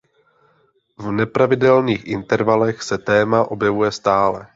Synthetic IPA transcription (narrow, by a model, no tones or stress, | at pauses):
vnɛpɾavɪdɛlniːxʔɪnt̪ɛɾvalɛxsɛt̪ɛːmaʔobjɛvujɛst̪aːlɛ